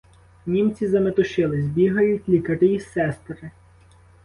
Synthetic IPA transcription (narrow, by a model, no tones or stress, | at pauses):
nʲimt͡sʲizɐmet̪ʊʃɪlˠɪzʲbʲiɦɐjʊtʲlʲikɐt̪ɪjisɛst̪ɾɪ